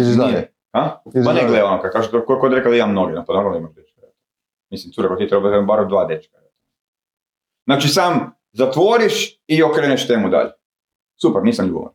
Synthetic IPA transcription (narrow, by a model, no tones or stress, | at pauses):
iz | haimaneɡleonokad̪̚kaʒet̪okojkod̪ɾekad̪aimamnoɡinaponoɡalˠd̪aimaʒd̪et͡ʃkaɾet̪ | mislimt̪suɾakot̪it̪ɾebad̪embaɾod̪ʋaːd̪et͡ʃkaɾat̪mi | znaːt͡ʃisaːm | zat̪ʋoɾiʃ | iokɾeneʃt̪eːmud̪a̰ʎe | supɛɾniːsamʎṵːbo̰a̰n